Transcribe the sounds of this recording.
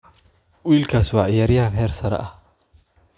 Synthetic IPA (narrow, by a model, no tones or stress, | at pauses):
wiːlkʰaːswɑːʕɪjaːɾjaːnɦɛːrsɐɾɛ̰ʔɐh